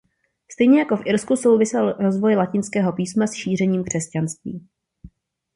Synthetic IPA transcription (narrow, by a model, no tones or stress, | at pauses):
st̪ɛjɲɛjako̞fʔɪɾskuso̞wvɪsɛlɾo̞zvo̞jlacɪnskɛːɦo̞piːsmasʃiːr̝ɛɲiːmkr̝̥ɛscanst̪vḭː